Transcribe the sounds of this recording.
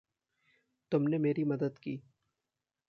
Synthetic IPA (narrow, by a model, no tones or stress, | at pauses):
t̪ʊmnemeːɾimɐd̪əd̪kiː